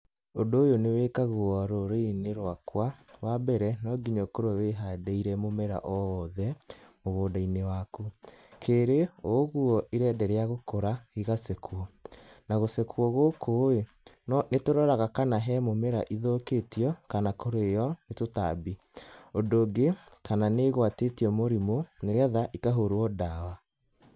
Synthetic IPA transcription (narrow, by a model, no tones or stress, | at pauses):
ondoːjonewekaɣuɔɾoɾoineɾwakwawabɛɾɛnɔɡiɲokoɾweɦadeiɾɛmomɛɾa̰ʔɔðɛmoɣoːdainewakukʰeɾeoɣuɔʔiɾɛːdɛɾeaɣokoɾaiɣasɛkwɔnaɣosɛkwɔɣokoe | nɔnetoɾɔɾaɣakanaɦɛmomɛɾa̰ʔiðoketiɔkanakoɾojɔnetota̰bi | odoɡekananeɣwatetiɔmoɾimoneɾeaðaʔikaɦoɾwɔdawa